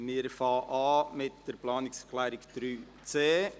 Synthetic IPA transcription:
mɪːɾfɑːʔɑːmɪtd̥əɾplɑːnɪksklæːɾɪkd̪̥ɾyː | t͡seː

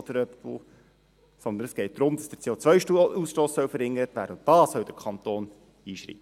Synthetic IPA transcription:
d̥̪əɾœptʋo̰ː | sɔnd̪ənəsɡ̥ɛɪt̚d̪̥ɾʊmd̥ɑsd̥ə̥t͡seːot͡sʋœʏʃtusʃtoːssœwfəɾhɪŋːəɾətʋæ̰ːɾdəʊntd̥ɑːsœwdəkʰɑnt̪oːn | iːʃɾḭːpə

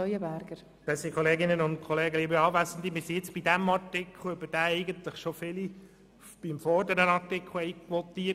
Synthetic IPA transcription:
œjəbæɾɡ̥əɾ | b̥ɛsikʰɔleːɡɪnənʊnt̚kʰɔleːɡəliːbəɑːʋæsən̩d̪imɪsijɪt͡sb̥id̪æmɑɾtɪkʰl̩œb̥əd̥æːɛɪɡənt̪ləχʃɔfɪli | b̥imfɔdənənɑrtɪkʰl̩ɛjkʋɔt̪iːə

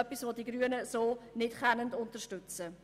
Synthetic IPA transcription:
œpːisʋodiɡɾyənəsoːnɪtχɛnəndʊntəʃtʏt͡sə

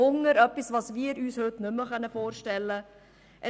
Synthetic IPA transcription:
ʊŋəɾœpisvɑːsviːəɾyːshøt̪nʏmːəχœnəfoːɾʃtɛlːə | ʔɛ

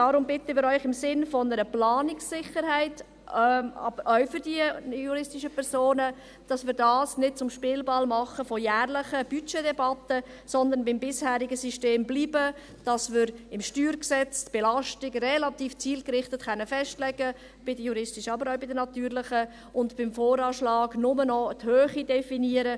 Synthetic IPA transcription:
dɑɾʊmbɪtəmɪːɾœʏχɪmsɪnfɔnəɾəplɑːnɪksːɪχəɾhæɪt | ɑ̰bəɔʊfʏɾdiəjuɾɪstɪʃəpʰɛɾsoːnə | d̥ɑsmɪːɾdɑːsnɪd̚t͡sʊmʃpɪːlbɑlmɑχəfɔjæːʁlɪχəb̥yt͡ʃedɛbɑtə | sɔnd̪ənbɪmbɪshæːɾɪɡəsiʃteːmbliːbə | d̥ɑsmɪːɾɪmʃtyːɾksɛt͡stb̥ɛlɑʃtɪɡrɛlɑtiːft͡siːlkɾɪχtətχɛnːəfɛʃtlɛɡə | b̥ɪdəjuɾɪstɪʃɑbəɾaʊbɪdənɑtyːɾlɪχə | ʊntbɪmfoːɾɑːʃlɑːɡnʊmənɔthøːχidɛfiniəɾə

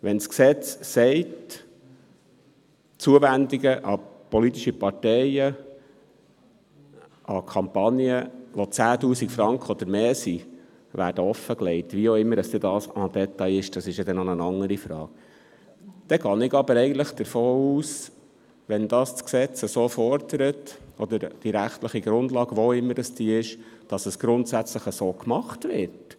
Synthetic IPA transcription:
ʋɛnsksɛt͡ssɛɪt | t͡suəvænd̪iɡəʔɑpɔlit̪iʃipɑɾtɛɪjə | ʔɑkʰɑmpɑnjəʋot͡sæːtuːsikfɾɑŋkχəɔd̪̥əɾmeːsi | ʋæ̰ːɾdəɔfːəklɛɪtʋiːoɪmːəɾdɑsd̥̪ɛdɑːsɑdɛt̪ɑjɪʃd̥ɑsɪʃjɑd̪ɛnonənɑŋːəɾifɾɑːk̚ | d̪̥ɛɡɑːnɪɡɑbəɾɛɪɡən̩tləχd̥̪əɾfoːuːs | ʋɛnd̥ɑːst͡sksɛt͡səsoːfɔɾd̥əɾətɔd̪əɾd̥iɾæχtləχiɡɾʊndlɑːɡ̥ʋoɪmːəɾdɑsd̥iːɪʃ | d̥ɑsəsɡ̥ɾʊntsæt͡sləχəsoːkmɑχtʋɪt

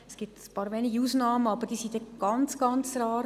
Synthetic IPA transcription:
ɛsɡ̥ip̚tpɑːɾʋeniɡəusnɑːməɑbəɾd̥iːsidɛɡ̥ɑnt͡sɡ̥ɑnt͡sɾɑːɾ

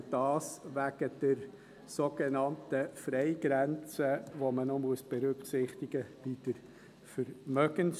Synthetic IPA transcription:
d̥ɑːsʋæɡ̥əd̪̥ɛɾ | soɡ̥enɑnt̪əfɾɛɪɡɾænt͡səʋomənɔmuəsb̥ɛɾʏkχsɪχt̪ɪɡəb̥id̥̪əɾ | fəɾmœɡ̥əns

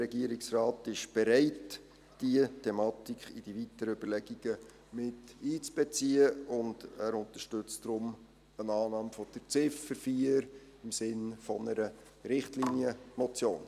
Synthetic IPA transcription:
rɛɡiəɾɪksrɑːtɪʃb̥ɛɾɛɪt | d̥iətʰɛmɑtikχid̥iʋitəɾəyb̥əɾlɛɡ̥iɡ̥ə | mɪtiːt͡sb̥ɛt͡siːəʊnd̥æɾʊnt̪əʃtʏt͡sdɾʊm | ənɑːnɑːmfɔd̥ət͡sɪfəɾfiəɾ | ɪmsɪnfɔnəɾə | ɾɪχtlinjəmɔt͡sjo̰ːn

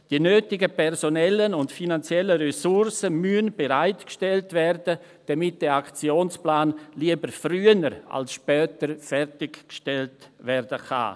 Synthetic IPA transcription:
d̥iənøːtɪɡəpʰɛɾzonɛlːənʊntfinant͡sjɛlːərɛsʊɾsəmyənbeɾaɪtkʃtɛltvɛrdə | d̥amɪt̚d̥ɛːakt͡sjoːnsplaːnliəbəɾfryːənəɾa̰lsʃpœːtəɾfɛɾtɪkkʃtɛltvɛɾdəka̰

